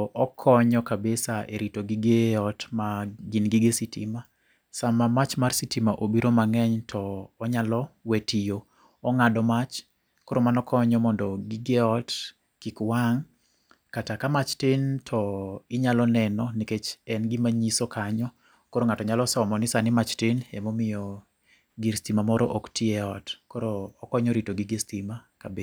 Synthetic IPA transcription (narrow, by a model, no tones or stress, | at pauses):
ʔɔkʰɔɲɔkabesaʔeɾitoɡiɡeɔtmaɡinɡiɡesitima | samamat͡ʃmarsitimaʔobiɾomaŋɛɲtʰɔːɲalɔwetijo | ɔŋadɔmat͡ʃ | koɾomanɔkʰɔɲɔmɔndɔɡiɡeɔt | kikwaŋ | katakamat͡ʃtɪntʰɔɪɲalɔnɛnɔniket͡ʃɛnɡimaɲisokʰaɲɔ | koɾoŋatɔɲalɔsɔmɔnɪsanɪmat͡ʃtɪnɛ̰mɔmɪjɔ | ɡiɾstimamɔɾɔ̰ʔoktiɛɔtkɔɾoːkɔɲɔɾitoɡiɡestimakabe